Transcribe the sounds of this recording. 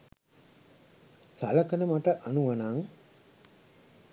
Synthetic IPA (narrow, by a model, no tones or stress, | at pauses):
saləkənəmaʈəʔanuʋɐnaŋ